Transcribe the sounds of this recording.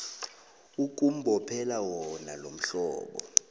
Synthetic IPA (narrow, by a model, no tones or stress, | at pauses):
uk̬ʼum̩bʱɔpʰɛlawɔnalom̩ɬɔ̰ːɓɔ̰